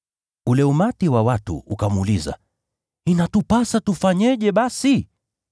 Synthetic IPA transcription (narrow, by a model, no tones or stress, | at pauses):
ulɛumatiwawatṵukamuliza̰ | inatupasatufaɲɛʄɛɓasi